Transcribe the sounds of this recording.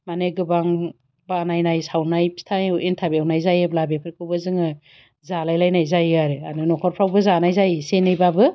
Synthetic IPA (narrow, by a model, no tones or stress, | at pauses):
maneɡɯbaŋ | banajnajsawnajpʰi̥stʰajintʰabeawnajzajeblabepʰɯɾkʰɯwbɯzɯŋɯ | zalajlajnajzajaɾeanɯnɔkʰɔɾpʰɾawbɯzanajzajsenajbabɯ